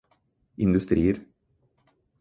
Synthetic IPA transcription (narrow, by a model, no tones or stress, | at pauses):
ʔɪnd̪ʉst̪ɾiːəɾ